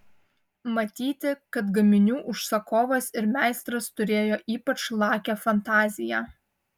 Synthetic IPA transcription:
mɐt̪ʲiːt̪ʲɪkɐt̪ɡɐmʲɪnʲuːʔʊʃsɐkoːʋɐsɪɾmʲæˑɪst̪ɾɐst̪ʊɾʲeːjoːʔiːpɐt͡ʃlˠɑːkʲɛfɐnt̪ɑːzʲɪjæː

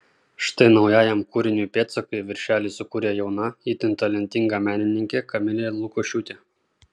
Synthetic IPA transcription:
ʃt̪ɐɪnɒʊjæːjɛmkuːɾʲɪnʲuːpʲeːt̪sɐkɐɪʋʲɪɾʲʃʲæːlʲiːsʊkuːɾʲeːjɛʊnɐiːt̪ʲɪnt̪ɐlʲɛnʲt̪ʲɪŋɡɑmʲæːnʲɪnʲɪŋʲkʲeːkɐmʲɪlʲeːlˠʊkoːʃʲuːt̪ʲeː

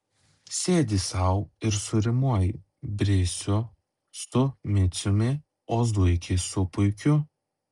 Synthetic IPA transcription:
sʲeːd̪ʲisɐʊɪɾsʊɾʲɪmuɔj | bʲɾʲɪsʲʊ | st̪ʊmʲɪt̪sʲʊmʲɪ | oːzd̪ʊɪkʲɪsʊpʊɪkʲʊ

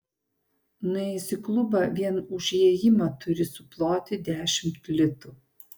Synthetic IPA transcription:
nʊɛsʲɪklˠʊbɑʋʲiɛnʊʒʲjiɛjɪmɑt̪ʊɾʲɪsʊplˠoːt̪ʲɪd̪ʲæːʃʲɪmt̪lʲɪt̪u

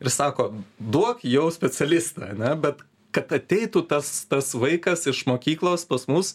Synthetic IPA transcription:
ɪɾsɑːkoːd̪uɔkjɛʊsʲpʲɛt͡sʲɛlʲɪst̪ɐ̰ɐ̰nʲɛbʲɛt̪ | kɐt̪ɐt̪ʲɛɪt̪ut̪ɐst̪ɐsʋɐɪkɐsɪʃmoːkʲiːklˠoːspɐsmʊs

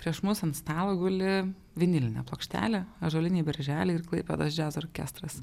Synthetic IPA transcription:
pʲɾʲiɛʃmʊsɐnst̪ɑːlˠoːɡʊlʲɪ | ʋʲɪnʲɪlʲɪnʲɛ̰plˠoːkʃʲt̪ʲæ̰ːlʲeːɐʒoːlʲɪnʲiːbʲɛɾʲʒʲæːlʲeɪrklˠɐɪpʲɛd̪osd͡ʒʲæːzoːɾʲkʲæ̰st̪ɾɐs

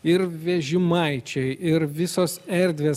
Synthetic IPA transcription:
ɪɾʋʲɛʒʲɪmɐɪt͡ʃʲɛɪʔɪɾʋʲɪsoːsɛɾʲd̪ʲʋʲeː

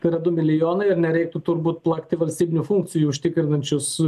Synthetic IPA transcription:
t̪ɐɪɾɐd̪ʊmʲɪlʲɪjoːnɐɪɾnʲɛɾʲɛɪk̚t̪ʊt̪ʊɾbuːt̪plˠɐkt̪ʲɪʋɐlʲsʲt̪ʲiːbʲɪnʲufuŋk̚t̪sʲɪjuːʊʃʲt̪ʲɪkɾʲɪnɐnʲt͡ʃʲʊs

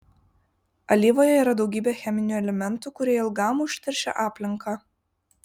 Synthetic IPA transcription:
ɐlʲiːʋoːjɛiːɾɐd̪ɒʊɡʲiːbʲeːxʲæmʲɪnʲuːˑɛlʲɛmʲɛnˑt̪uːˑkʊɾʲeɛːjɪlˠɡɑːmuʊʃʲt̪ʲɛɾʲʃʲɛ̰ʔɑːpʲlʲɪŋkɑ

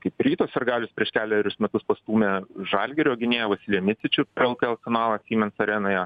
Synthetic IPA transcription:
kɐɪpɾʲiːt̪oːsʲɐrɡɑːlʲʊspʲɾʲiɛʃkʲæːlʲɛɾʲʊsmʲɛt̪ʊspɐst̪uːmʲɛʒɑːlʲɡʲɛɾʲoːɡʲɪnʲeːjɛʋɐsʲɪlʲiɛmʲɪt̪ʲɪt͡ʃʲʊpʲɛɾɛlˠkʲɛɛɐlˠsʲɛnɑːlˠɑɐt̪ʲsʲiːmʲɛnsɐɾʲɛnoːjɛ

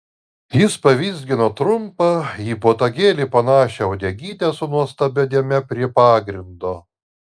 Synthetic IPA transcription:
jɪspɐʋʲiːzʲɡʲɪnoːt̪ɾʊmpɐiːpoːt̪ɐɡʲeːlʲipɐnɑːʃʲeɐʊd̪ʲɛɡʲiːt̪ʲɛsʊnuɔst̪ɐbʲod̪ʲiɛmʲɛpʲɾʲiɛpɑːɡɾʲɪnd̪oː

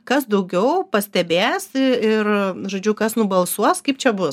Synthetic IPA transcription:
kɐsd̪ɐʊɡʲɛʊpɐsʲt̪ʲɛbʲeːsɪrʒoːd͡ʒʲʊkɐsnʊbɐlˠsuɔskɐɪp̚t͡ʃʲɛbʊs

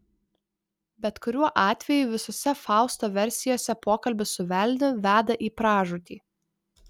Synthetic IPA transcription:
bʲɛt̪kʊɾʲuɔʔɑːt̪ʲʋʲɛjuːˑʋʲɪsoːsʲɛfɑˑʊst̪oːʋʲɛɾʲsʲɪjoːsʲɛpoːkɐlʲbʲɪsʊʋʲɛlʲnʲʊʋʲæːd̪ɐʔiːpɾɑːʒʊt̪ʲiː

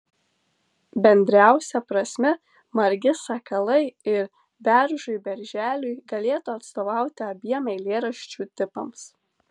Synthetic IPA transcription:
bʲɛnʲd̪ʲɾʲæˑʊsʲɛpɾɐsʲmʲɛ | mɐɾʲɡʲɪsɐkɐlˠɐɪɪɾ | bʲæɾʒʊjbʲɛɾʲʒʲæːlʲʊjɡɐlʲeːt̪uːɐt̪st̪oːʋɑˑʊt̪ʲɪɐbʲiɛmɐɪlʲeːɾɐʃʲt͡ʃʲuːt̪ʲɪpɐms

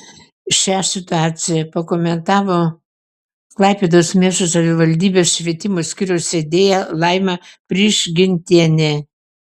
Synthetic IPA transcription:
ʃʲæsʲɪt̪ʊɑːt͡ssʲɪjɛpɐkoːmʲɛnt̪ɑːʋoː | klˠɐɪpʲeːd̪oːsmʲeːʃosɐʋʲɪʋɐlʲd̪ʲiːbʲeːsʃʲʋʲiɛt̪ʲɪmoːsʲkʲɪɾʲɛʊsʲed̪ʲeːjɛlˠɐɪmʲɛpʲɾʲiːʃɡʲɪnʲt̪ʲiɛnʲe

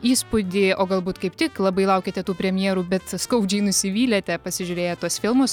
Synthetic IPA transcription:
iːspʊd̪ʲɪoːɡɐlˠbuːt̪kɐɪpt̪ʲɪklˠɐbɐɪlˠɐʊkʲeɪt̪ʲɛt̪uːpʲɾʲɛmʲjiɛɾuːbʲɛt̪skɐʊd͡ʒʲɛɪnʊsʲɪʋʲiːlʲɛt̪ʲɛpɐsʲɪʒʲʊɾʲeːjɛt̪uɔsfʲɪlˠmʊs

